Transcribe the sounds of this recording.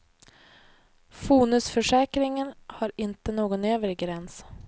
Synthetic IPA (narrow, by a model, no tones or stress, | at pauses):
fuːnɵsfœʂɛːkɾɪŋənhɑɾɪnt̪ənoːɡɔnøːvəɾɪɡɾɛns